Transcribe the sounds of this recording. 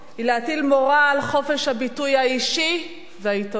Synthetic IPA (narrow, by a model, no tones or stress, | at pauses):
hileatilmoʁaːlχo̞fe̞ʃhabitujhaiʃi | veaito